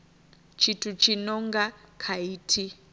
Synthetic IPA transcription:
t͡ʃʰitʰut͡ʃʰinɔŋɡakʰaiːtʰi

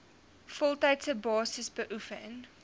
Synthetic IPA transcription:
fɔlˠtɐjtsəbɑːsəsbəʔufə̰n

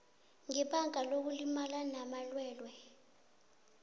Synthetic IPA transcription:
ŋɛɓaŋʱalok̬ulimalanamalwɛːlwɛ

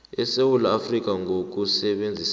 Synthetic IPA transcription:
ɛsewulaːfrik̬ʼaŋʱok̬ʼusɛɓend͡zʱis

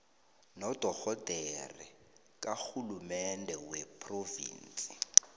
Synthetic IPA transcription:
nɔd̥ʱɔɣɔd̥ʱɛrḭ | k̬ʼaxulumɛndʱɛwɛpʰrovḭːnt͡sʼi̥

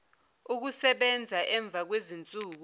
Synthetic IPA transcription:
uk̬usɛɓɛnd͡zʱaʔɛɱb̪vʱak̬wezint͡sʼuːk̬u

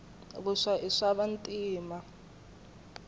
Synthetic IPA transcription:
βuʂaʔiʂaβantʼiːma

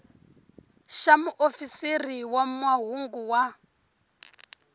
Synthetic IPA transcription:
ʃamuʔofisiriwamwaɦuŋɡuwa

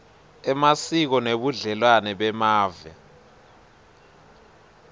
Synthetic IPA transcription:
ɛmasik̬ɔneɓuɮɛlwanɛɓɛmaːvɛ̰

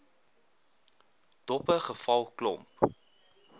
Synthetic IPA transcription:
d̥ɔpəχəfɐlˠklɔ̰mp

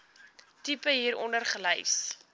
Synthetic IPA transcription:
tipəɦiːɾɔ̰ndərχələjs

